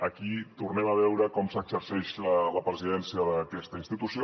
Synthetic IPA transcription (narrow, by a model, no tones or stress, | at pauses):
əkit̪urnɛməβ̞ɛwɾəkɔmsəɡsəɾsɛʃlələpɾəziðɛnsijəðəkɛst̪əinst̪it̪usijo